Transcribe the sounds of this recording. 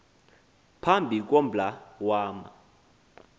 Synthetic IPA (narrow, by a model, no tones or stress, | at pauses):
pʰambʱik̬ɔm̩bʱlawaːma̰